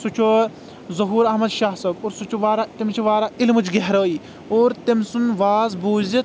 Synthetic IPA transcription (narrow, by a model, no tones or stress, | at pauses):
sut͡ʃʰo | zɐɦuːɾɐɦmɐd̪ʃaːɦsɐːɡoːɾsut͡ʃʰuʋaːɾat̪imt͡ʃʰiʋaːɾailmɨt͡ʃʰɡeɦɾəːiː | oːɾt̪imsunʋaːzbuːzit̪̚